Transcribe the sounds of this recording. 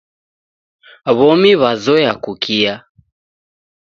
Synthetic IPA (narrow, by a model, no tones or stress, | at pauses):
βɔmiβazɔjakukʰia